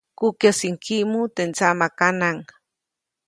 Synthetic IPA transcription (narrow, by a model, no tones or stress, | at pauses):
kukjasiŋkimut̪ent͡samakanaŋ